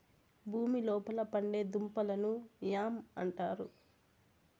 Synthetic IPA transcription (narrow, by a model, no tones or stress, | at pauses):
bʱuːmilɔːpɐlɐpɐɳɖe̞ːd̪umpɐlɐnujaːmɐɳʈaːɾu